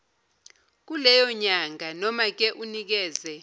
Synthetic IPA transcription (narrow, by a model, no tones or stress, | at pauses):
k̬ulɛjɔɲaŋanɔmak̬ʼɛʔunik̬ɛːzɛ